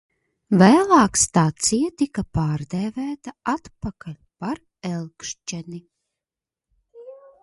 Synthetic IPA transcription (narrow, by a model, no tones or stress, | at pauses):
væːlˠɑːkst̪at̪sijat̪ikapaːɾd̪ɛvæːt̪aat̪pakalʲpaɾ | ɛlˠkʃt͡ʃɛni